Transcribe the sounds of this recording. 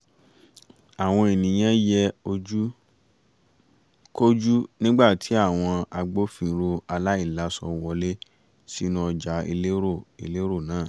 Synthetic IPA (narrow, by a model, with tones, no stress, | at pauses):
a˨w̃ɔ̃˧e˨nĩ˨j̃ɛ̃˦jɛ˦o˧d͡ʒu˦ | ko˦d͡ʒu˦nĩ˦ɡ͡ba˦˨ti˨˦a˦˨w̃ɔ̃˧a˧ɡ͡bo˦fĩ˦˧˨ɾo˧a˧la˦i˦˨la˨˦sɔ̰˧wɔ˧le˦ | si˦nũ˦ɔ˧d͡ʒa˨˦ḭ˧le˦o˦˨ḭ˧le˦ɾo˦˨nãː˨˦˨